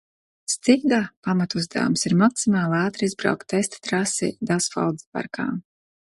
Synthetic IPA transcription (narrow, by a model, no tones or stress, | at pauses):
st̪iɡd̪aːpamat̪uzd̪a̰ːmsiɾmaksimaːlˠaːt̪ɾizbɾa̰wkt̪ːɛst̪t̪ɾasḭd̪asfa̰wd̪zpa̰ɾkʰa̰ːm